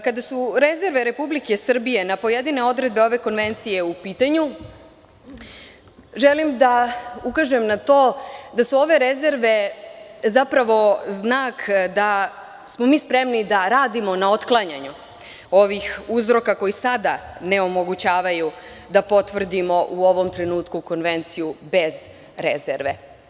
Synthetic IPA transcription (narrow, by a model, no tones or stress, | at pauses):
kad̪asuɾe̞ze̞ɾʋe̞ɾe̞publike̞sr̩bije̞napo̞je̞d̪ine̞o̞d̪ɾe̞d̪̚be̞o̞ʋe̞ko̞nʋe̞nt̪sije̞upiːt̪aɲu | ʒe̞limd̪aukaʒemnat̪o̞ːd̪asuo̞ʋe̞ɾe̞ze̞ɾʋe̞ | zapɾaʋo̞znaːkd̪a | smo̞miːspɾe̞mnid̪aɾaːd̪imo̞nao̞t̪klˠaɲaɲu | o̞ʋixuzɾo̞kako̞jisad̪ane̞o̞mo̞ɡut͡ɕaːʋaju | d̪apo̞t̪ʋr̩d̪imo̞ʔuo̞ʋo̞mt̪ɾe̞nuːt̪kuko̞nʋe̞nt̪sijube̞z | ɾezḛɾʋe̞̰